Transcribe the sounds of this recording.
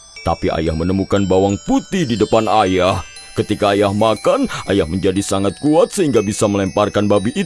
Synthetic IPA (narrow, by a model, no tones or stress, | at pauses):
t̪apia̰jahmənəmukanbawaŋput̪ihdidəpanajah | kət̪ikaːjahmakanʔajahməɲd͡ʒadisaŋat̪̚kuat̪̚səɦiŋɡabisaməlɛmparkanbabiʔː